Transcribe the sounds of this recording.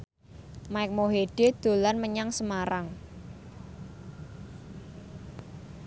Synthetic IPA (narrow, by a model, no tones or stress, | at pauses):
maɪk̚moɦeɖ̥e̤d̪̥o̤lanməɲaŋsəmaɾaŋ